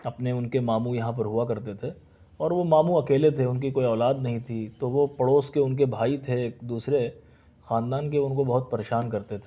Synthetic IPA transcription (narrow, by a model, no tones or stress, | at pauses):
ɐpneʊnkemaːmũjɐɦãp̬ɐɾɦʊakɐɾt̪et̪ʰe | ɔːɾʋomaːmũɐkeːlet̪ʰeʊnk̬ikoːiɔːlaːd̪nɐɦĩt̪ʰit̪oʋopɐɽoːskeʊnk̬ebʱaːit̪ʰeːkd̪uːsɾe | xãːnd̪aːnk̬eʊnkobɐɦʊt̪̚pɐɾeːʃaːnkɐɾt̪et̪ʰe